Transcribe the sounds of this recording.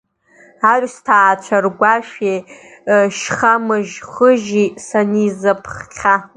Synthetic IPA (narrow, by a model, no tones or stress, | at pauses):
arʷstʰaːt͡ʃʷʰarɡʷaʃᶣe | ʃχamɨʒχəʒisanizapʰχqʲʰa